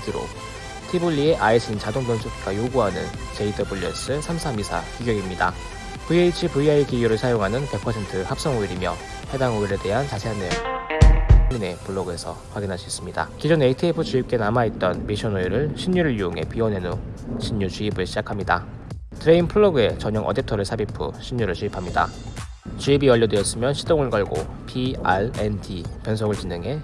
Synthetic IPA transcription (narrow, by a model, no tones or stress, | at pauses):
tʰiɾo̰ | tʰibuʎːie̞ʔais͈ʰɯnt͡ɕadoŋdʌnsʰotɡ͈ajoɡuɦanɯn | t͡ɕeidʰɯbuʎːus͈ɯsʰamsʰamisʰa̰kiɡjʌɡimɲida̰ | pueit͡ɕʰipuiaikiɡjuɾɯɭsʰajoŋɦanɯnpe̞k̚pʰʌsʰe̞ntʰɯhap̚s͈ʌŋoiɾimjʌ̰ | he̞daŋoiɾe̞de̞ɦant͡ɕasʰe̞ɦanɯɭ | mine̞pʰɯɭːoɡɯe̞sʰʌ̰kwaɡinɦaɕʰiis͈ɯmɲida̰kid͡ʑoneitʰiepʰɯt͡ɕuip̚k͈e̞namait̚t͈ʌnmiɕʰʌnojiɾɯɭɕʰiɲːuɾɯɭjuuŋe̞̰piwʌne̞noɕʰiɲːut͡ɕuibɯɭɕʰid͡ʑakʰamɲida̰ | tɯɾe̞inpʰɯɭːoɡɯe̞t͡ɕʌɲʌŋʔʌdetʰʌɾɯɭsʰabipʰɯ̰ɕʰiɲːuɾɯɭɕʰuipʰamɲida̰ | t͡ɕuibiʌʎːʌdejʌs͈ɯmjʌnɕʰi̥t͈oŋɯɭkʌɭɡo̰ | pʰiaɭendʰipjʌnsʰoŋɯɭt͡ɕinɯŋɦe̞